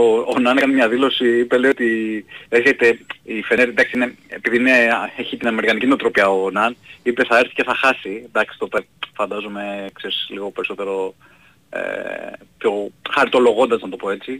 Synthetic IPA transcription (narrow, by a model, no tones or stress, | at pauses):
oːnɐnekɐnimɲɐðilo̞siipe̞leiot̪ieɾçe̞t̪e̞ifeɾd̪ɐksiine̞epiðiineeçit̪inɐme̞ɾikɐnicineot̪ɾopiɐonɐnipe̞θɐeɾθi̥ce̞θɐxɐsid̪ɐksi̥t̪o̞pefɐnd̪ɐzume̞kseɾi̥sliɣo̞pe̞ɾiso̞t̪e̞ɾo̞ | ḛpço̞xɐɾit̪o̞lo̞ɣo̞nd̪ɐznɐt̪o̞po̞e̞t͡si